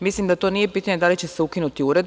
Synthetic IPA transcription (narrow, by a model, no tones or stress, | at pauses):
mislimd̪at̪o̞ːnije̞piːt̪aɲe̞d̪alit͡ɕe̞seukinut̪iuɾe̞d̪